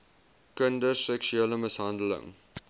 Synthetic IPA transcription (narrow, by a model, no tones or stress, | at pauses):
kəndəsːɛkʃyeləməsɦɐndələ̰ŋ